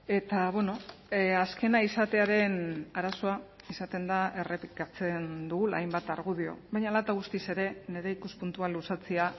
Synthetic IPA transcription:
e̞t̪aβeno̞aske̞naisat̪e̞aɾe̞naɾaso̞a | isat̪e̞nd̪ae̞re̞pikat͡se̞nd̪uɣula̰jmbat̪aɾɣ̞uðio̞̰bajɲalat̪aɣ̞ust̪ise̞ɾe̞ne̞ɾe̞ikuspunt̪ualusat͡sea

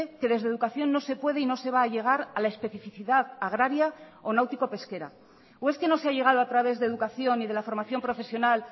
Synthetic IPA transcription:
eke̞ðe̞zðeðukaθjo̞nːo̞se̞pwe̞ðeino̞se̞βaːʝe̞ɣ̞aɾalaespe̞θifiθiðaðaɣ̞ɾaɾjao̞nawt̪iko̞pe̞ske̞ɾa̰ | oeske̞no̞seaʎe̞ɣ̞að̞oat̪ɾaβ̞e̞zðeðukaθjo̞nːið̞e̞lafo̞ɾmaθjo̞mpɾo̞fe̞sjo̞nal

